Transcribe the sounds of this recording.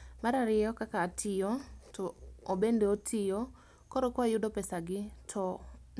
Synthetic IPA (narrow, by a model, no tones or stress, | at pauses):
maɾaɾɪjɔkakaːtʰɪjɔtɔobendeotʰɪjɔ | kɔɾokwajʊdɔpɛsaɡɪtʰɔ